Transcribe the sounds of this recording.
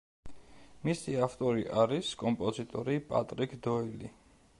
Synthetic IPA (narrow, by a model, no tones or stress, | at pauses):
misiaft̪ʼɔɾiʔaɾiskʼɔmpʼɔzit̪ʼɔɾipʼa̰t̪ʼɾikʰd̪ɔilḭ